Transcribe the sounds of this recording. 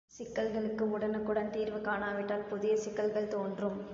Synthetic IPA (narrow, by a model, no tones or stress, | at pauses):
sɪkːɐlɣɐɭɯkːɯmʊɽɐnɐkːʊɽɐnt̪iːɾʋɯkaːnaːʋɪʈːaːlpʊðɪjɐsɪkːɐlɣɐɭt̪oːndrɯm